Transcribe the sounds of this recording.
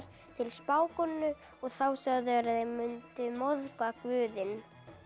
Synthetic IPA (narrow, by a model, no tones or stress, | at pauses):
ɾ̥ | t̪ʰɪlspaːwkɔnːʏ | ɔɣθawsaɣðʏaɾaðejmʏnt̪ʏmɔðkakvʏːðɪn